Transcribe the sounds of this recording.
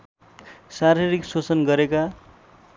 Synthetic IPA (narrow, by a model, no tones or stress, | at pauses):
saɾiɾiksot͡sʌnɡʌɾeka